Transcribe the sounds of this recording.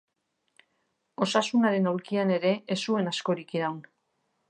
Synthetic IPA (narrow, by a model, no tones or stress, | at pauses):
o̞sasunaɾe̞nawɾkiane̞ɾe̞eːsue̞nasko̞ɾikiɾawn